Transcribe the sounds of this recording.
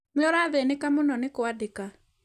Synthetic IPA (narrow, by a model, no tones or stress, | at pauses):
mɔɾaðenekamonɔnekoadeka